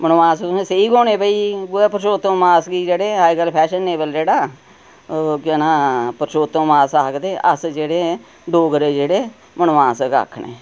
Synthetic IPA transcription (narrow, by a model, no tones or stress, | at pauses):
mənʋãːsseiːɡoːneːbəiːɡʊeːpəɾʃoːt̪õːmaːsɡiːd͡ʒeːɽeːɦaːiɡəlpʰɛːʃənːeːbəld͡ʒeːɽaː | keːnãːpəɾʃoːt̪õːmaːsaːkd̪eːʔə̰sd͡ʒeːɽeː | ɖoːɡəɾeːd͡ʒeːɽeː | mənʋãːska̰ːkʰːɳḛː